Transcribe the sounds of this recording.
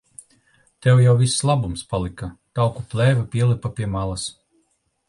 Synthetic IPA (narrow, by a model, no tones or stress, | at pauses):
t̪ɛwjawvisːlˠabumspalˠikat̪awkuplˠɛːvapʲiɛlˠipapʲiɛmalˠas